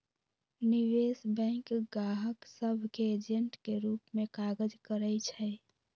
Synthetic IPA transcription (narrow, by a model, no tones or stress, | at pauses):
niʋesbɛ̃ŋkɡaɦəksəbʱkeːd͡ʒeɳʈkeɾupmekaɡəd͡ʒkəɾɛt͡ʃʰɛ